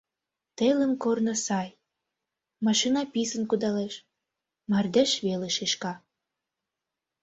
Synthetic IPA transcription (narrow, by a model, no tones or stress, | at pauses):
t̪elənkornə̆sɑj | mɑʃinɑpisənkud̪ɑleʃ | mɑrd̪eʃβeleʃeʃkɑ